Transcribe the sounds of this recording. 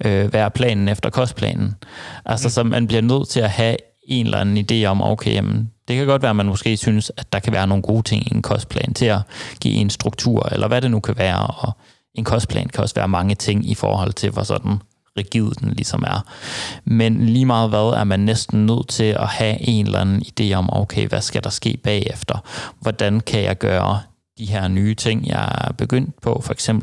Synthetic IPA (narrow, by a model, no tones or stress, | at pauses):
øʋæːɐpʰlɛ̰ːnn̩efd̥ɐkʰɒ̽sd̥pʰlɛ̰ːnn̩ʔælsɒsɒ̽mʔænb̥liɐnøð̞̰ˠt͡sʰe̝læhæ | e̝nlæ̰nn̩id̥e̝̰ːɒ̽mo̰ʊkʰejæmənd̥e̝kʰæɡ̥ɒ̽d̥ʋæːɐmænmɔ̽sɡ̥e̝̰ːsynəsæd̥ɑ̈kʰæʋæːɐno̝ːn̩ɡ̥o̝ːt͡sʰe̝ŋienkʰɒ̽sd̥̚pʰlɛ̰ːnt͡sʰe̝æɡ̥ḭːensd̥ʁuɡ̥̚t͡sʰṵɐ̰elʔɐʋæɾe̝nukʰæʋæːɐɒ̽ | e̝nkʰɒ̽sd̥pʰlɛ̰ːnkʰæɒ̽sʋæːɐmɑ̈ŋət͡sʰe̝ŋ̰ifɒ̰ːhɒ̽l̰t͡sʰe̝lʋɒsɒ̽d̥n̩ | ʁɛɡ̥ið̞̰ˠd̥en̩lisɒ̽mæɐmenliːmɑ̈ːð̞̩ˠʋæð̞ˠæɐmænːesd̥n̩nøð̞̰ˠt͡sʰe̝lɒhæʔe̝nlænn̩id̥e̝̰ːɒ̽moʊkʰeɪʋæsɡ̥æd̥ɑ̈sɡ̥e̝̰ːb̥ɛ̰ːefd̥ɐʋɒd̥ænkʰæjɑ̈ɪɡ̥ɶːɐ | d̥iɦeɐ̰nyːt͡sʰe̝ŋ̰jɑ̰ɪb̥e̝ɡ̥øn̰d̥̚pʰɒ̽fɒe̥ɡ̥semb̥l̩